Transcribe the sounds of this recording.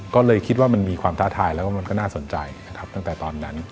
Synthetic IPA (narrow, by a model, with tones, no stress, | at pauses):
kɔː˥˩lɤː˧jkʰi˦˥t̪̬̚waː˥˩ma˧nmiː˧kʰwaː˧mt̪ʰaː˦˥t̪ʰaː˧jlɛː˦˥waː˥˩ma˧nkɔː˥˩naː˥˩so˨˩˦nt͡ɕa̰˧jna˧kʰa˦˥p̚t̪a˥˩ŋt̪ɛː˨˩t̪ɔː˧nːa˦˥n